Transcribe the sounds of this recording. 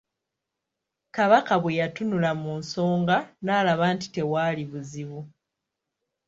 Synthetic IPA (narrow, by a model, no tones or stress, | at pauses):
kaβakaβwejatunulamuːnso̞ːŋɡanaːlaβanti̥te̞waːliβuziβu